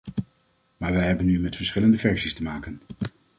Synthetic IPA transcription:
maːɹʋɛjɦɛbənːymɛtfəɹsχɪləndəvɛɹsistəmaːkən

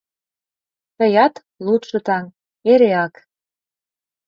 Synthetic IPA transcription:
tə̆jɑt̪ | lut̪ʃɤ̆t̪ɑŋ | eɾeɑk

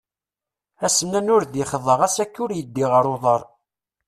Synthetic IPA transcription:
æsənːænʊɾðiχəðˤəʁæsækːʊɾjəd̪ːiʁəɾˤoðˤəɾˤ

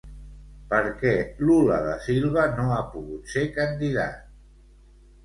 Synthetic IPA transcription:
pəɾkɛluləðəsilˠβənoapuɣut̪sekənd̪iða̰t̪̚

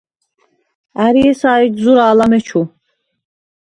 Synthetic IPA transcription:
æɾiɛsaːid͡ʒzuɾaːlamɛt͡ʃʰu

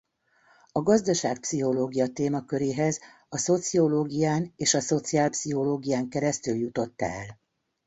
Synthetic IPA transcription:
ɒɡɒzd̪ɒʃa̰ːk̚psiɦo̞loːɡijɒt̪eːmɒkøɾeːɦɛz | ɒso̞t̪sio̞loːɡijaːneːʃɒso̞t̪siaːlpsiɦo̞loːɡijaːŋkɛɾɛst̪yljut̪o̞t̪ːɛ̰ɛ̰l

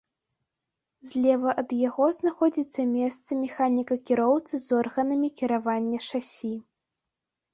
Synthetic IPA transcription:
zʲlʲɛvɐʔɐd̪jaɣɔznaxɔd͡zʲit̪sːɐmʲɛst̪sɐmʲɛxanʲikɐkʲiɾɔwt̪sɨzɔrɣɐnɐmʲikʲiɾavanʲːɐʂasʲi

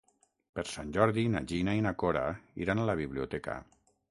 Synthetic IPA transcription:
peɾsanʲd͡ʒɔɾðina̰ʒinainakoɾa̰iɾanalaβiβliut̪ɛka̰

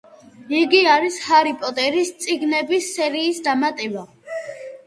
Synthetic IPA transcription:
iɡiaɾishaɾipʼɔt̪ʼɛɾist̪sʼiɡnɛbisːɛɾiːsd̪amat̪ʼɛba

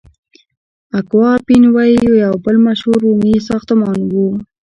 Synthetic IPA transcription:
akwɑpinwɑjijojawbəlmaʃhuɾumisɑxt̪əmɑnwu

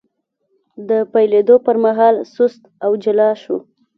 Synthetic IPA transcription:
d̪əpajled̪opəɾmaɦɑlsʊst̪awd͡ʒɪlɑʃṵ

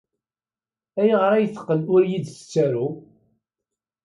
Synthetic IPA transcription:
æjʁəɾæjθə̥qːənʊɾjid̪t͡sə̥t͡sːæɾu

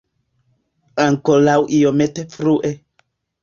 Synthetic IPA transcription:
aŋkolawʔijometefɾuʔe

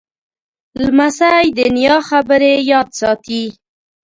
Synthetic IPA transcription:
lmasajd̪ənjɑxabəɾejɑd̪sɑt̪i

